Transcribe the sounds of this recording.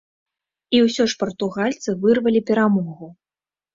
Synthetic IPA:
iwsʲɔʂpɐrt̪uɣalʲt̪sɨvɨrvɐlʲipʲɛɾamɔɣu

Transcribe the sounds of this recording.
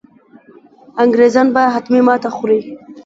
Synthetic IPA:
aŋɡɾezɑnbaɦat̪mimɑt̪axʊɾej

